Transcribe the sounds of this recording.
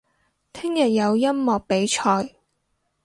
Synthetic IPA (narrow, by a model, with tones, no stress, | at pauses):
t̪ʰɪ˥ŋjɐ˨t̚jɐ˨˧wjɐ˥mːɔː˨k̚pe˨˥jt͡ʃʰɔː˧j